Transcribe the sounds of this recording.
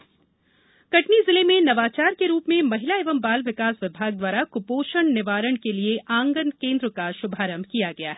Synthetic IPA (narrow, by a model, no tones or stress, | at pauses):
kɐʈnizɪlemẽnɐʋaːt͡ʃaːɾkeɾuːpmẽmɐɦɪlaeːʋəmbaːlʋɪkaːsʋɪbʱaːɡ̚d̪waːɾakʊpoːʃəɳnɪʋaːɾəɽ̃kelieʔãːŋɡənkẽːnd̪ɾəkaʃʊbʱaːɾəmkijaɡɐja̰ːɦɛː